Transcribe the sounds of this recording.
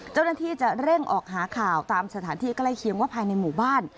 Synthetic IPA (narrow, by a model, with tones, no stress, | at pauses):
t͡ɕa˥˩wnaː˥˩t̪ʰiː˥˩t͡ɕa˨˩ɾe˥˩ŋʔɔː˨˩k̚ɦaː˩˦kʰaː˨˩wt̪aː˧msa˧t̪ʰaː˩˦nt̪ʰiː˥˩kla˥˩jkʰi˧əŋwaː˥˩pʰaː˧jna˧jmuː˨˩baː˥˩n